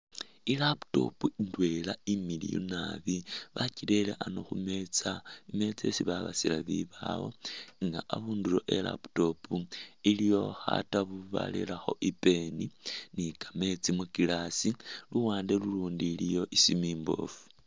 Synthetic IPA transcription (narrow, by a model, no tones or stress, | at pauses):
ilapu̥to̞̰puindwe̞laimilḭjṵna̰βiβacile̞leʔanoxume̞t͡saime̞t͡se̞siβaβa̰silaβiβawo̰ŋɡaaβuːndulo̞ʔela̰pu̥to̞puilijo̞xa̰taβuβa̰lelaxo̞̰ʔipe̞ninikame̞t͡simukilasiluwaːndeluluːndiːlijo̞ʔisimiːmbo̞̰fu̥